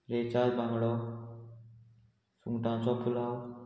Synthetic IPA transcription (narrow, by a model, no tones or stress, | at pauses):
ɾet͡ʃazbʱãŋɡɽɔ | suŋɡʈãt͡sɔpʰulaw